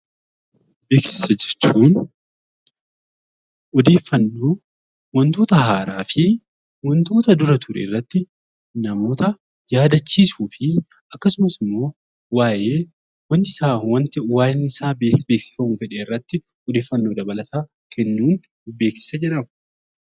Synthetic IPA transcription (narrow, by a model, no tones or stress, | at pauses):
be̞ːksɪ̥sɐd͡ʒɪɾt͡ʃːuːn | ɔd̪e̞ːfːɐnːoː | wɔnt̪o̞ːt̪ɐɦaːɾaːfɪ | wɔnt̪o̞ːt̪ɐd̪ʊɾɐt̪ʰʊɾḛːrːɐt̪ːɪ | nɐmo̞ːt̪ɐ | jaːd̪ɐt͡ʃːiːsuːfɪ | ɐkːɐsʊmɐsɪmːo̞ː | waːjeː | wɐnt̪ɪsaːwnt̪waːjɛnːɪsaːbbe̞ːksɪ̥fɐmufɛᶑeːɪrːɐt̪ːɪ | ɔd̪e̞ːfːɐnːo̞ːd̪ɐbɐlɐt̪aː | kʰɛnːuːn | be̞ːksɪ̥sɐd͡ʒɛᶑɐm